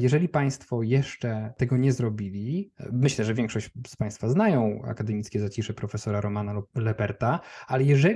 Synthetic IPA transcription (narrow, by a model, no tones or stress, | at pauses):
jɛʐɛlʲipaj̃st̪fɔjɛʂt͡ʂɛt̪ɛɡɔɲɛzɾɔbʲilʲimɘɕlɛʐɛvʲjɛ̃ŋkʂɔɕt͡ɕspaj̃st̪faznajɔ̃w̃a̰kad̪ɛmʲit̪skʲɛzat͡ɕiʂɛpɾɔfɛsɔɾaɾɔmanalɛpɛɾt̪aalɛjɛʐɛ